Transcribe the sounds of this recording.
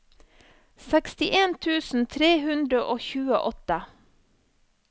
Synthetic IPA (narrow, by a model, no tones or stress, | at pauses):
sɛkst̪ɪʔeːnt̪ʰʉːsn̩t̪ʰɾeːhʉnd̪ɾəʔoːçʉːə̰ʔɔt̪ə